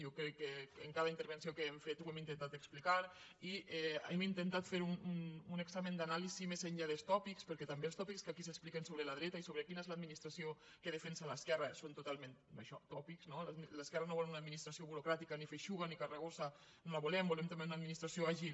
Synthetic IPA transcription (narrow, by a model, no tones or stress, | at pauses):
jokɾɛkːeeŋkaðaint̪əɾβənsiokeɛɱfet̪uɛmint̪ent̪at̪eksplikaɾ | iɛɛmint̪ent̪at̪feɾunununeɡzamẽnd̪analizimezeɲʎaðelst̪ɔpikspəɾkɛt̪ambelˠst̪ɔpikskakis̬eksplikensoβɾəlaðɾɛt̪aisoβɾekinəezlaəd̪minist̪ɾasio | keðefɛnsalaskɛrasont̪ut̪alˠmẽna̰ʃɔt̪ɔpikznolaləskɛrɐnoβɔlunad̪minist̪ɾasioβuɾukɾat̪ikanifeʃuɣanikareɣosa | nolaβulɛmbolɛmt̪ambeunaðminist̪ɾasioaʒil